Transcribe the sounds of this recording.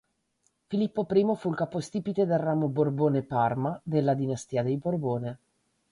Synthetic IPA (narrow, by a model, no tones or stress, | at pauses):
filipːopɾiːmofuilkaːpost̪iːpit̪ed̪elrːaːmoborboːneparmad̪elːad̪inast̪iːad̪ejborboːne